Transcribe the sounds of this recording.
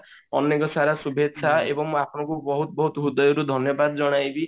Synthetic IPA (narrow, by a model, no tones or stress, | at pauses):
ɔnːekɔsaɾasubʱet̪ːsʰaebɔŋmũapʰɔɽ̃ɔ̃ŋkubɔɦut̪ɔbɔɦut̪ɔɦud̪ɔjɔɾud̪ʱɔnjɔbad̪ɔd͡ʒɔɽ̃ajbi